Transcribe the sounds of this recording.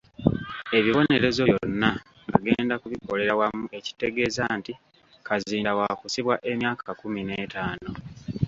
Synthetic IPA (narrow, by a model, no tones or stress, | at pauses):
e̞βiβo̞ne̞ɾe̞zo̞jonːa | ŋɡa̰ɡe̞ːndakuβiko̞le̞ɾawamue̞ci̥te̞ɡe̞ːzaːnti | kaziːndawakusiβwaʔe̞mjaːkakumine̞ːtaːno̞